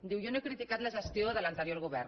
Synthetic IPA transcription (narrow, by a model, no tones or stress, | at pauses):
d̪iwjonoekɾit̪ikat̪laʒest̪joðəlant̪eɾjoɾɣuβ̞ɛɾn